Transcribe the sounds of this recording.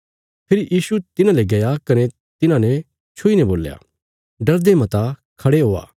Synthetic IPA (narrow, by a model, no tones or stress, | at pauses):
pʰɪɾijʔiːsut̪ɪnãleɡɐjakɐne | t̪ɪnãnɛ | t͡ʃʰʊinɛboːlːja̰ː | ɖɐɾd̪emɐ̃t̪akʰɐɽeɦoːa̰ː